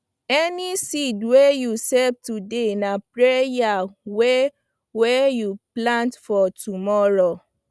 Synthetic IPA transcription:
ɛnisidwejusɛv̚tudenãpɾejawe | wɛjuplãntfɔtumɔɾo

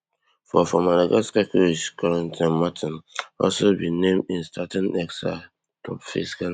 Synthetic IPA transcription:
fɔfɔ̃maɾaɡaskakuɹiʃkʰaɹãntʰãnmatʰĩnɔ̰lsobinẽmĩnstʰatĩnɛksta̰ | tʰɔ̰pfḭskal

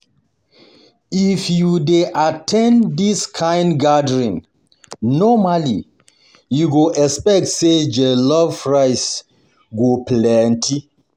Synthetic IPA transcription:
ifjudeʔatʰɛ̃nddiskʰãjnɡadəɹĩn | nɔmali | juɡoʔɛspɛk̚tsed͡ʒelɔvfɹaɪs | ɡoplɛ̃ntʰi

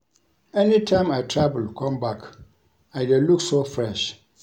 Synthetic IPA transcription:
ɛnĩtʰãɪ̃matʰɹabəlkʰɔ̃mbak | aɪdɛluksofɹɛʃ

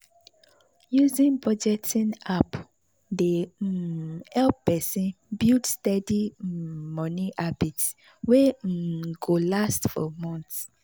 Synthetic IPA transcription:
juzĩnbɹɔd͡ʒɛtʰĩnap | de | hɛlppɛsĩnbildstɛdimɔ̃nĩʔabits | weɡolastfɔ̰mɔ̃nts

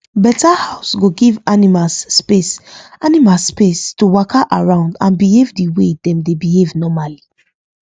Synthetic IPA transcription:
bɛtahaʊsɡoɡivanimaspesʔanimaspestuwɔkʰaʔaɹãʊ̃ndãnbihevdiwedɛ̃mdebihevnɔmali

